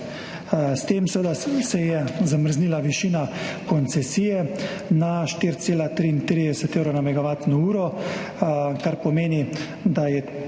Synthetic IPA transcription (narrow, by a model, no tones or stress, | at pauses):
st̪emsɛʋəd̪asɛjɛzaməɾzniːlaʋiʃiːnakɔnt̪sɛsiːjɛnaʃt̪iɾt̪seːlat̪ɾiint̪ɾid̪ɛsɛt̪eːwɾonamɛɡaʋaːt̪nɔuːɾɔ | kaɾpɔmeːni | d̪ajɛ